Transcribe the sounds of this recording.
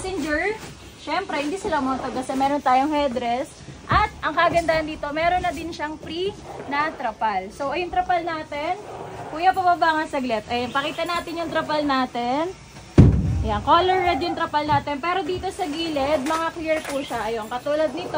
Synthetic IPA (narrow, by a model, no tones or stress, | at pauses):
sɪnd͡ʒɛɹ | ʃɛmpɾɛhɪnd̪iːsɪlamont̪ɐd̪̚kɐsɛmɛːɾont̪aːjoŋhɛd̪ɾɛs | ʔɐt̪̚ʔɐŋkɐʔɡɐnd̪aːʔɐnd̪iːt̪o̞mɛːɾonːɐd̪ɪnʃɐŋpɾinɐt̪ɾɐpalso̞wʔɐjʊŋt̪ɾɐpɐlnaːt̪ɛnkuːjɐpɐbabaːŋɐnsɐɡlɛt̪ʔɐjɐnpɐkiːt̪ɐnaːt̪ɪnjʊŋt̪ɾɐpɐlnaːt̪ɛn | ʔɐjankoːlɛɹːɛd̪jʊŋt̪ɾɐpɐlnaːt̪ɛnpɛːɾo̞d̪iːt̪o̞sɐɡiːlɛd̪̚mɐŋakliɹpuːʃɐʔɐjoŋkɐt̪uːlɐd̪̚nɪt̪o